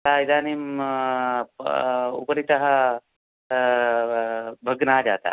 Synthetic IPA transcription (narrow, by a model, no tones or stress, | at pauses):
t̪aːid̪aːnim | ṵpɐɾit̪ɐɦɐ | bʱɐɡnaːd͡ʒa̰ːt̪a̰